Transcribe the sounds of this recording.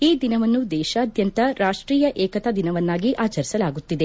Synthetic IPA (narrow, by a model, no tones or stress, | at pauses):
iːd̪inɐʋɐnːud̪ɛːʃɐːd̪jɐnt̪ɐɾaːʂʈɾiːjɐʔɛːkɐt̪ɐd̪inɐʋɐnːaːɡiʔaːt͡ʃɐɾisɐlaːɡut̪ːid̪e